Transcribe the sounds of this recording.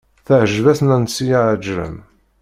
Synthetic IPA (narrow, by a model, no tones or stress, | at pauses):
θəʕəʒvæθnænsijaʕd͡ʒɾə̰m